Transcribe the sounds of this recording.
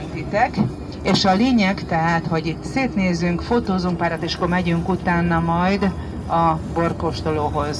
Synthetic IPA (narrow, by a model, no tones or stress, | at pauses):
nt̪it̪ɛk | eːʃɒleːɲɛɡt̪ɛɦaːt̪ho̞ɟit̪ːseːt̪neːzyŋkfot̪oːzuŋk̚paːɾat̪eːʃɒ̥kːo̞rmɛɟyŋkut̪aːnːɒmɒjd̪ | ɒbo̞rko̞ʃt̪oloːɦo̞z